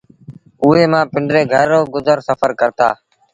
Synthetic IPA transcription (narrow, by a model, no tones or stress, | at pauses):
ʊːɦeːmãːpɪɳɖɾeːɡʱəɾːoːɡʊzəɾsəfəɾkəɾt̪a̰ː